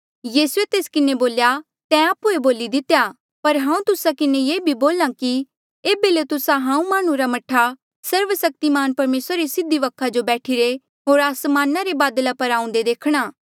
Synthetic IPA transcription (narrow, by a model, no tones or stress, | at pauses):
jiːsuet̪eːskɪneboːlja | t̪ɛ̃aːpueboːlid̪ɪt̪ːeja | pɐɾɦãːũt̪ʊsakɪnejeːbʱiboːlãki | eːbelet̪ʊsaɦãːũmaːɽ̃ũɾamɐʈʰːa | sɐɾʋəsɐk̚t̪imaːnpɐɾmeːsɾaɾesɪd̪iʋɐkʰːad͡ʒobɛːʈʰiɾe | ɦoːɾaːsmaːnaɾebaːd̪lapɐɾãːũnd̪ed̪eːkʰɽ̃aː